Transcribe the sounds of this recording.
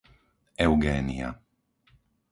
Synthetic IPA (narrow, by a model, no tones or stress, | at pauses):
ɛwɡɛːnia̰